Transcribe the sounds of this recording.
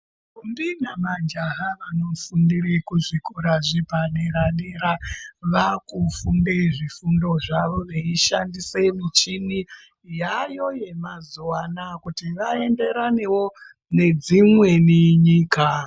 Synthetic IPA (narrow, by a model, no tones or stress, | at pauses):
umbinamad͡ʒaɦaʋano̞fundirekuʐikuɾaʐipaɗeɾaɗeɾaʋakufundeʐifundo̞ʐaʋo̞ʋeiʃandise̞mit͡ʃini | jajo̞je̞mazuwanakutiʋae̞nde̞ɾane̞wo̞ | ne̞d͡zimwe̞niɲiːka